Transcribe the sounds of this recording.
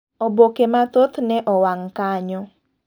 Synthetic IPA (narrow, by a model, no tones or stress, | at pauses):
obokematot̪neʔɔwaŋ̩kaɲʊ